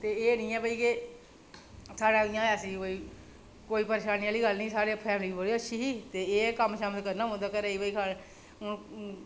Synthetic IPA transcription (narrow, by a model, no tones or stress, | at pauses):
t̪eːeːnĩːɛːbəiːke | saːɽãːdɪjãːəsĩːboiː | koːiːpəɾeːʃaːniːaːliːɡəlnĩːsaːɽeːpʰɛːmliːbəɽiːəʃʰiːɦiːt̪eːeːkəmʃaːmɪlkəɾnaːɦõnd̪aːkəɾeːiːbəiːkʰa | ʊn